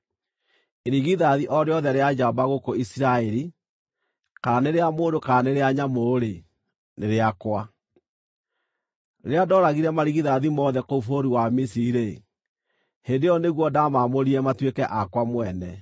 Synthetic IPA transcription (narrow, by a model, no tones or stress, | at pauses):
eɾiɣiðaðiʔɔɾeɔðɛɾead͡ʒaɔbaɣokoisiɾaɛɾi | kananeɾeamoːndokaaneɾeaɲamoɾe | neɾeakwa | ɾeadɔɾaɣiɾɛmaɾiɣiðaðimɔðɛkoufoɾiwamisiiɾe | hendejɔneɣwɔdamamoɾiɛmatwekɛʔakwamwɛnɛ